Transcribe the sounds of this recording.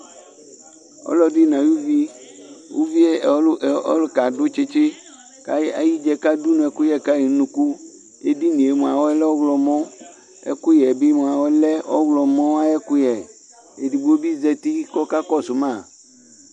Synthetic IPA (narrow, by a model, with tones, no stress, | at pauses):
ɔ̰˦lɔ˦di˦nã˨ju˦vi˦wʔo̰˦vi˦e˦˨˦ɔ̰˦lo˨ka˨dʊ˦t͡ʃe˦t͡ʃɪ˦ | ka̰˦jɛ˦a̰˨ji˦d͡ʒɛ˨ka˦du˦nũ˨ɛ˨ku˦jɛ˦ka˦ji˨˦nũ˨ku˦ | e˦di˦nĩ˨e˨mũ˨a˨wɔ˦ɛ˦lɛ˦wɔ˦ɣlɔ˨mɔ̃˦ | ɛ̰˦ku˦jɛ˨bi˦mõ˨a˨wɔ˦lɛ˦wɔ˦ɣlɔ˨mɔ̃˦wa˦ɛ˦ku˦jɛ˨ | e˨di˨bu˨˦o˦bi˦zɛ˦t̪i˦kɔ˦ka˦kɔ˦sʊ˨mã˦˨